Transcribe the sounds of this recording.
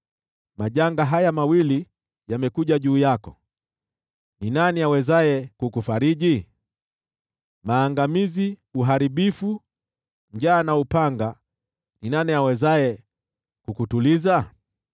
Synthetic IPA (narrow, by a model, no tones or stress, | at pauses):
maʄaŋɡaɦajamawili | jamɛkuʄaʄuːjakɔ | ninaniawɛzajɛkukufaɾiʄi | maːŋɡamiziuɦaɾiɓifu | ɲd͡ʒaːnaupaŋɡa | ninaniawɛzajɛ | kukutuliza